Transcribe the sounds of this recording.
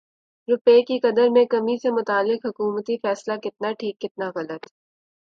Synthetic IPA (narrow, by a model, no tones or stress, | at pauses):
ɾʊpeːkiqɐd̪əɾmẽkɐmisemʊt̪aːlːɪqɦʊkuːmət̪ifɛːslakɪt̪̚naʈʰiːkːɪt̪̚naɣɐlət̪